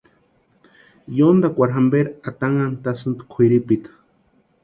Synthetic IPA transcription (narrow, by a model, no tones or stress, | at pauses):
jond̪akʷaɾɦambeɾat̪aŋant̪asɨnt̪kʷʰiɾipit̪ḁ